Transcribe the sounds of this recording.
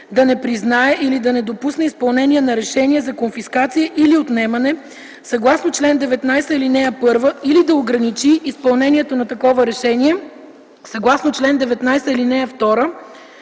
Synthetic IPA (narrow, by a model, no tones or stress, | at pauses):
d̪ɐnɛpɾiznaɛʔilid̪ɐnɛd̪opusnɛispɐlˠnɛniɛnɐɾɛʃɛniɛzɐkonfiskat̪sijəʔiliot̪nɛmɐnɛ | sɐɡlˠasnot͡ʃlɛnd̪ɛvɛt̪najsəilinɛəpɤɾvəilid̪ɐoɡɾɐnit͡ʃiːspɐlˠnɛniɛt̪onɐt̪ɐkɔvəɾɛʃɛniɛ | sɐɡlˠasnot͡ʃlɛnd̪ɛvɛt̪najsəilinɛəft̪ɔɾə